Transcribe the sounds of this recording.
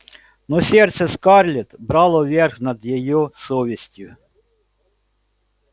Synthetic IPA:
nɔsʲɛrt̪sɛskɑrlʲit̪bɾɑlˠɔʋʲɛrxnɐd̪jɔjɔsɔʋʲisʲtʲʊ

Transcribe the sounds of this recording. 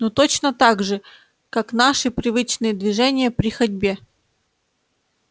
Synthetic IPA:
not̪ot͡ɕnət̪aɡʐɨ | kakn̪aʂɨpɾʲɪvɨt͡ɕnɨjəd̪vʲɪʐɛnʲɪjəpɾʲɪxɐdʲbʲe

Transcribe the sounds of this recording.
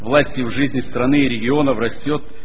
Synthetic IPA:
vlˠasʲtʲɪvʐɨzʲnʲɪst̪ɾɐnɨɪɾʲɪɡʲɪo̞nəfrɐsʲtʲo̞t̪̚

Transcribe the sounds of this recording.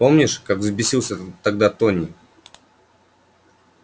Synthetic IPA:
po̞mnʲɪʂkakvzbʲɪsʲilˠsʲət̪ɐɡ̚d̪at̪onʲɪ

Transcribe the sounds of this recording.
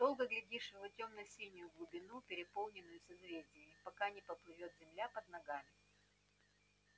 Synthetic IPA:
d̪̥o̞lˠɡəɡlʲɪdʲiʂvɐtʲo̞mnʊjsʲinʲɪjʊɡlˠʊbʲɪnupʲɪɾʲɪpo̞lˠnʲɪnːʊjʊsʲɐzvʲedʲɪəmʲɪpɐkanʲɪpəplˠɨvʲo̞t̪zʲɪmlʲapəd̪nɐɡamʲɪ

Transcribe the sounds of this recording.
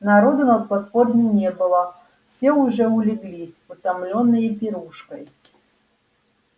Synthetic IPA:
naɾɔd̪unɐt̪̚pat̪pɔrnʲɪnʲɛbɨlˠɐ | fsʲɛuʐɛulʲɪɡlʲisʲpʊt̪amlʲɔnːɨjəpʲɪɾuʂkɐj

